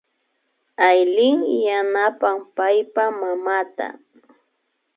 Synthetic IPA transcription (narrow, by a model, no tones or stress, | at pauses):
ajlɪŋjanapampajpamamat̪a̰